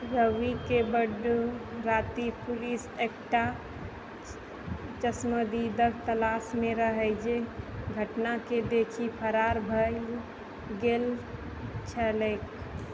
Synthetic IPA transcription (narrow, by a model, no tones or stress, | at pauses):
ɾəʋikebəɖɾat̪ipulisekʈa | t͡ʃəsməd̪id̪əɡ̚t̪əlasmẽɾəɦəɪd͡ʒeɡʱəʈnaked̪ekʰipʰəɾaɾbʱə | ɡel | t͡ʃʰəlek